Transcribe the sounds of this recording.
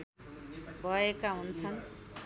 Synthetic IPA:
bʱʌekaɦunt͡sʰʌn

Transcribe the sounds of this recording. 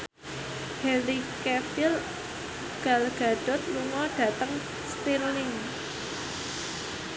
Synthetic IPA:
hɛlikɛtɪl | ɡ̥alɡ̥a̤ɖ̥ɔ̤t̪̚luŋɔɖ̥ä̤t̪əŋ | spilnɪŋ

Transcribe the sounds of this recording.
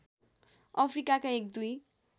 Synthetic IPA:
ʌpʰrikakaek̚d̪uj

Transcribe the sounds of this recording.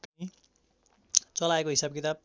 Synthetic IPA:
i | t͡sʌlaekoɦisab̚kit̪ab̚

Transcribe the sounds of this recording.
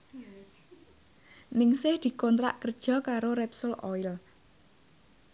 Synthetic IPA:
nɪŋsɪhd̪̥i̤kɔnt̪ɾa̰ʔkərd̥ʒ̥ɔ̤kaɾoɾɛpsʊlʔɔɪl

